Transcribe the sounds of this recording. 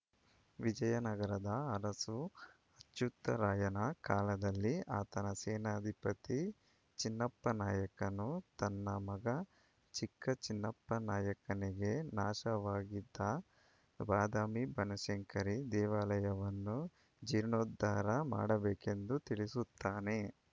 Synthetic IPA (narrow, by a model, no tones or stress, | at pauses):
ʋid͡ʒɐjɐnɐɡɐɾɐd̪ɐɐɾɐsu | ɐt̪ːjut̪ːɐɾaːjɐnɐkaːlɐd̪ɐlːiaːt̪ɐnɐseːnaːd̪ʱipɐt̪i | t͡ʃinːɐpːɐnaːjɐkɐnut̪ɐnːɐmɐɡɐ | t͡ʃikːɐt͡ʃinːɐpːɐnaːjɐkɐniɡe̞naːʃɐʋaːɡid̪ːɐ | baːd̪aːmibɐnɐʃeŋkɐɾid̪ɛːʋaːlɐjɐʋɐnːu | d͡ʒiːɾnoːd̪ːaːɾɐma̰ːɽɐbɛːke̞nd̪ut̪iɭisut̪ːaːne̞